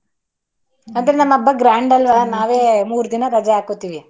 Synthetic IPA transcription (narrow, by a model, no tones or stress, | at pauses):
ɐnd̪ɐɾenɐmːɐbːɐɡɾaːɳɖɐlʋɐnaːʋe̞ːmuːɾd̪inɐɾɐd͡ʒɐaːkut̪ːiːʋi